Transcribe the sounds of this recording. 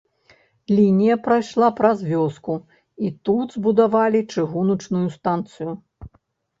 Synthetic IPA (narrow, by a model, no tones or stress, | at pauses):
lʲinʲijɐpɾajʂlˠapɾɐzvʲɔsku | it̪ud̪zbud̪avalʲit͡ʂɨɣunut͡ʂnujust̪ant̪sɨju